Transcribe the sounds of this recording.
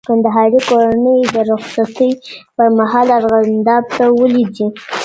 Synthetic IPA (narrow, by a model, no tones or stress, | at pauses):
kand̪aɦɑɾikoɾanəjd̪əɾʊxsat̪əjpəɾmaɦɑlaɾɣand̪ɑb̚t̪awəlid̪i